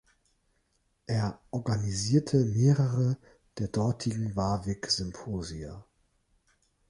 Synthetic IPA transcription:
ʔeːɐʔɔɐɡaniziːɐtʰəmeːʁəʁə | d̥eːɐdɔɐtʰɪɡŋ̩vaːvɪkz̥ʏmpʰoːziɐ

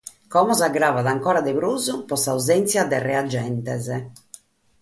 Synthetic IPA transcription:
kɔmɔzaɡɾaːvaðaŋkɔːɾad̪ɛβɾuːzupɔsauzɛnt̪sjad̪ɛrɛad͡ʒːɛnt̪ɛzɛ

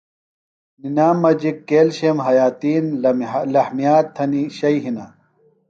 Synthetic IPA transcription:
ninaːmːɐd͡ʑikːeːlɕemɦɐjaːt̪iːnlɐhmijaːt̪ʰːɐniɕɐjɦinaː

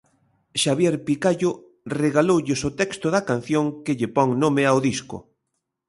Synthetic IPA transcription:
ʃaβjɛɾpikaʎʊ | reɣalowʎɪsot̪ɛkst̪ʊðɐkan̟θjoŋkeʎepɔŋnomeawðiskʊ̰

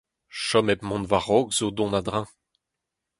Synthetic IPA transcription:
ʃɔmɛp̚mɔ̃nvaʁɔɡzod̪ɔ̃nad̪ʁɛ̃

